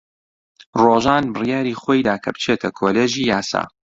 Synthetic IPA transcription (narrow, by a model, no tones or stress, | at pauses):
roːʒaːnbɨrjaːɾiːχoːjd̪aːkʰɐbɨt͡ʃʰeːt̪ʰɐkʰoleːʒiːjaːsa̰ː